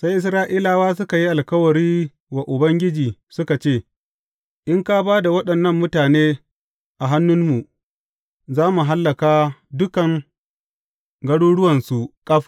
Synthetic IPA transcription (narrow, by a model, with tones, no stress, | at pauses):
sa˦jʔɪ˨sɾaː˦ʔiː˦laː˨waː˦s̬ʊ˦ka˨ji˦ʔa˨lkɐ˦wɐ˨ɾiː˦ | wa˨ʔʊ˨bɐ˦ŋɡʲɪ˦d͡ʒiː˨sʊ˦ka˨t͡ʃeː˦˨ | ʔɪ˦ŋka˦baː˦da˨wɐ˦ɗɐ˨nːɐ˦mːʊ˦taː˨neː˦ | ʔa˨ɦa˦nːʊ˦nmu˨ | zaː˦mu˨ɦa˦lːɐ˨kaː˦dʊ˦kɐ˨ŋ | ɡɐ˦ɽuː˦ɽʊ˦wɐ˨nsu˨kʼɐ˦ɸ